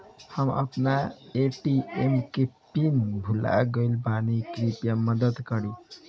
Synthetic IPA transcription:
hʌmʌ̰pnaeʈiemkepinbʱula̰ɡʌilbanikɾipjamʌd̪əd̪kʌɾi

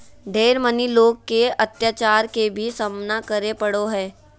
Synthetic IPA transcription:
ɖʱeːɾməniloːɡ̚keɐt̪jaːt͡ʃaːɾkebʱisəmnakəɾepəɽoɦɛ̃ː

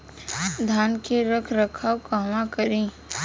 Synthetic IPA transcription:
d̪ʱaːnkeɾəkʰɾəkʰaːwkaːmãkəɾĩː

